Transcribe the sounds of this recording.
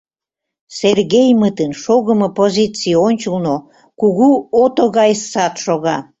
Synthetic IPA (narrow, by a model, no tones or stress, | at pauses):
serɣejmət̪ənʃoɣəməpozʲit͡sijonʲt͡ɕəlno | kuɣuot̪oɣɑjsːɑt̪ʃoɣɑ